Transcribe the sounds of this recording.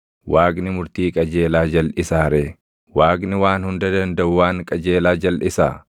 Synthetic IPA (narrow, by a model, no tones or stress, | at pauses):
waːɡnɪmʊɾt̪iːkʼɐd͡ʒe̞ːlaːd͡ʒɐlʔɪsaːɾeː | waːɡnɪwaːnhʊnd̪ɐd̪ɐnd̪ɐʔʊwaːŋkʼɐd͡ʒe̞ːlaːd͡ʒɐlʔɪsa̰ː